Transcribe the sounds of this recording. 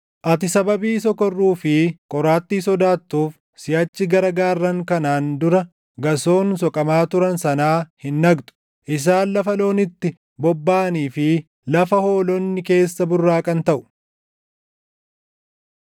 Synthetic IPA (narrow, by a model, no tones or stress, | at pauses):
ʔɐt̪̬ɪsɐbɐbiːsɔkɔrːuːfɪkʼɔɾaːt̪ːiːsɔd̪aːt̪ːuːf | sɪjɐt͡ʃːɪɡɐɾɐɡaːrːɐŋkɐnaːnd̪ʊɾɐ | ɡɐso̞ːns̬ɔkʼɐmaːt̪ʊɾɐnsɐnaːhɪnːɐɡt̪ʼʊ̥ | ʔɪs̬aːnlɐfɐlo̞ːnɪt̪ːɪ | bɔbːaːniːfɪ | lɐfɐho̞ːlɔnːɪke̞ːsːɐbʊrːaːkʼɐnt̪ɐʔʊ̥